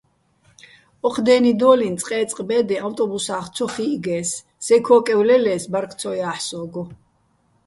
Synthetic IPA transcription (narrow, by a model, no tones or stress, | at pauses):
ɔqʰd̪ɛːnid̪ɔːlint̪sʼqʼɛːt̪t͡s̪ʼqʼbɛːd̪ɛawt̪ʼɔbusaːχt̪sʰɔχiɡɛːsː | ɛkʰɔːkʼɛwlɛlɛːsbaɾkʰt̪sʰɔjaːħsɔːɡɔ